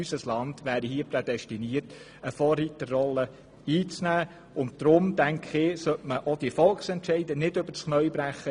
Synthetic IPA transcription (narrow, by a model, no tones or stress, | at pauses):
ysəslɑndʋæːɾihiːəprɛd̪ɛstiniərt | əfɔːrːitːərːɔlːə | iːt͡snæː | ʊnt̚d̪̥ɾʊmdæŋkχɪsœtməʔod̥iəfɔlˠksɛntʃɛɪdənɪdɵb̥əɾsχnœʏbɾæχːə